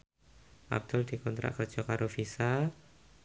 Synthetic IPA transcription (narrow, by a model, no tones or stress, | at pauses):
ʔa̰b̚d̪̥ʊld̪̥i̤kɔnt̪ɾa̰ʔkərd͡ʒ̥ɔkaɾʔofisa